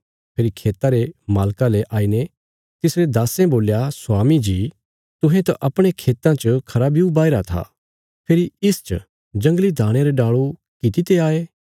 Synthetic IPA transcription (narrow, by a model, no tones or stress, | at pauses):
pʰeːɾikʰeːt̪aɾemaːlkaleʔaːine | t̪ɪsɾed̪aːsẽboːljasʊwaːmid͡ʒiː | t̪ʊɦẽt̪aʔɐpɽ̃ekʰeːt̪ãt͡ʃəkʰɐɾabiubaːɪɾat̪ʰa̰ | pʰeːɾiɪst͡ʃə | d͡ʒɐ̃ŋɡlid̪ʱaːɽ̃eɾeɖaːɭu | kɪt̪it̪eaːeː